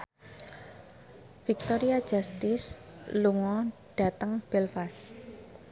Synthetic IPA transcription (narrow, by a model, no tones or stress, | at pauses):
fik̚t̪ɔɾiḁd͡ʒ̥a̤st̪ɪsluŋɔɖ̥a̤t̪əŋb̥ɛlfas